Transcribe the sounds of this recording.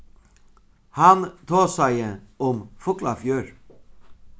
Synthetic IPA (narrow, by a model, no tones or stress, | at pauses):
hɑnt̪ʰɑːsæɪəɔmfʊklɑfjøːɾ